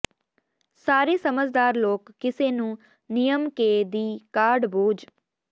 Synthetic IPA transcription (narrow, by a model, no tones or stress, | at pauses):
saːɾeːsəməd͡ʒʱd̪aːɾloːkːɪseːnũː | nijəmkeːd̪iːkaːɾɖboːd͡ʒ